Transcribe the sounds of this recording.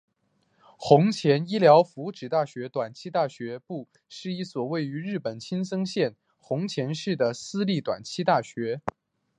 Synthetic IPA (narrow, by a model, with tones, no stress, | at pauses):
xʊ˧˥ŋt͡ɕʰjɛ˧˥ni˥ljɑ˧˥ʊfu˧˥ʈ͡ʂɻ̩˨˩t̪a˥˩ɕɥɛ˧˥t̪wa˨˩nt͡ɕʰi˥t̪a˥˩ɕɥɛ˧˥pu˥˧ | ʂɻ̩˥˧i˥˩swɔ˨˩we˥˩ɪy˧˥ɻɻ̩˥˩pə˨˩nt͡ɕʰi˥nsɤ˥ŋɕjɛ˥˩n | xʊ˧˥ŋt͡ɕʰjɛ˧˥nʂɻ̩˥˩d̪ə˩sɹ̩˥li˥˩t̪wa̰˨˩nt͡ɕʰi˥t̪a˥˩ɕɥɛ˧˥